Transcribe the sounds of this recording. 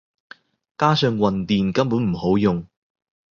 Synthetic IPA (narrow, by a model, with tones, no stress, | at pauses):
kaː˥sœː˧ŋwɐ˨nt̪iː˨nkɐ˥mpuː˨˥nm̩˨˩ho˨˥wjʊ˨ŋ